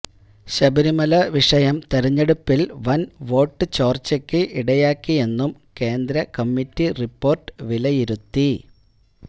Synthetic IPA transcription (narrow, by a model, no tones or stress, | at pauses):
ɕɐbiɾimɐlɐʋiʂɐjɐmt̪eɾiɲːeɽupːilʋɐnʋo̞ːʈːɨt͡ɕo̞ːrt͡ɕːɐkʲːɨʔiɽɐjaːkːie̞nːumke̞ːnd̪ɾɐkɐmːitːiripːo̞ːrʈɨ̥ʋilɐjiɾut̪ːi